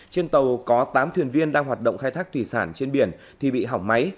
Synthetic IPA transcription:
t͡ɕe˧nt̪ə˨˩wkɔ˨˦t̪aː˨˦mt̪ʰwi˨˩ənvi˧ənɗaː˧ŋɦwaː˨˩t̚ɗə̰˧˨wŋ͡mxaː˧jt̪ʰaː˦˥k̚t̪wi˧˩saː˧˩nt͡ɕe˧nɓi˧˩ən | t̪ʰi˨˩ɓḭ˧˨ɦa˧˩wŋ͡mma˨˦j

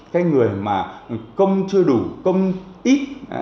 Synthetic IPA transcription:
kaː˨˦jŋɨ˨˩əjmaː˨˩kə˧wŋ͡mt͡ɕɨ˧əɗu˧˩kə˧wŋ͡mʔi˦˥t̚

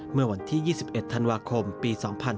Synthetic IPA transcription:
mɯ˥˩ɐwa˧nt̪ʰiː˥˩jiː˥˩si˨˩p̚ʔe˨˩t̪ʰːa˧nwaː˧kʰo˧mpiː˧sɔː˩˦ŋpʰa˧n

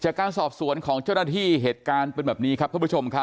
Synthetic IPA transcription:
t͡ɕaː˨˩kːaː˧nsɔː˨˩p̚su˨˩˦ənkʰɔː˩˦ŋt͡ɕa˥˩wnaː˥˩t̪ʰiː˥˩ɦeː˨˩t̪̚kaː˧npe˧nbɛː˨˩p̚niː˦˥kʰa˦˥kʰpʰu˥t͡ɕʰo˧mkʰa˦˥

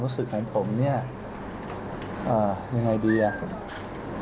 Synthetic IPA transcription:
ɾuː˦˥sɯ˨˩k̚ha˨˩˥jpʰo˩˦mni˥˩ɐ | ʔaː˨˩ja˧ŋːa˧jdiː˧ʔa˨˩

